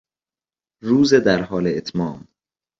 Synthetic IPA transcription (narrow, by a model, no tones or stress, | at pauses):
ɾuːzed̪æɾɦɒːleːt̪ʰmɒːm